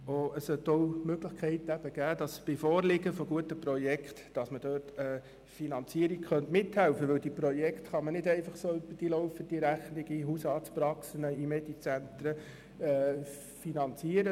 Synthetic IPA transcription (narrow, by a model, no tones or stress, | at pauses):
oəssœtoʊmøɡləχkʰɛɪtæb̥əɡ̥æːd̥ɑsb̥ɪfɔːrlɪɡəfɔɡuətəpɾɔjɛkχtd̥ɑsməd̥øːrtɛ | finɑnt͡siəɾikχœntmɪthælfəʋɵldipɾɔjɛktχɑmənɪdɛɪfɑχsoːyb̥əd̥ilɔʊfəd̥iɾæχnɪɡiɦusɑːtspɾɑksənəimɛd̥it͡sænt̪ɾə | ɛ | finɑnt͡siːəɾə